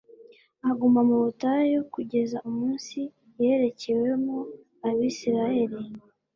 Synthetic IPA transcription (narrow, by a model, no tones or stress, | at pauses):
aɡumamuβutajo̞kuɟe̞zaʔumuːnsi | jeɾe̞ce̞we̞mu | aβisiɾahe̞ɾi